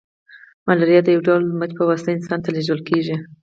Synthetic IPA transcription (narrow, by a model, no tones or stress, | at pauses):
malaɾijɑd̪əjawɖɑlməd͡ʒpəwast̪aɪnsɑnt̪aleʒəlkeʒi